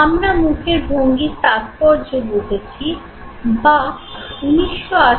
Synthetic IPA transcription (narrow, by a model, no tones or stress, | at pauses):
amɾamukʰeɾbʱoŋɡit̪ak̪pɔɾd͡ʑoɡot̪et͡ɕʰi | ba | uniʃːoa